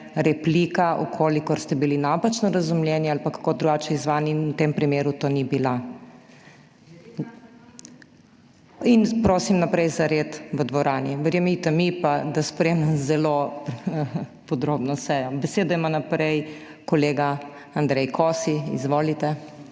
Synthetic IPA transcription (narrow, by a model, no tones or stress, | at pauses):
ɾɛpliːkaʔukʰoːlikɔɾst̪ɛbilinaːpat͡ʃnɔɾɐzumljɛnjɛalpakakod̪ɾuɡaːt͡ʃɛizʋaːninwt̪empɾimeːɾut̪oːnibila | inpɾoːsimnapɾɛjzaɾeːt̪ʋəd̪ʋɔɾaːniʋəɾjɛmit̪ɛmipad̪aspɾemnɛmzɛlo | pɔd̪ɾoːbnɔsɛːjɔbɛseːd̪ɔimanapɾɛj | kɔleːɡa | and̪ɾɛjkʰosiḭzʋoːlit̪ɛ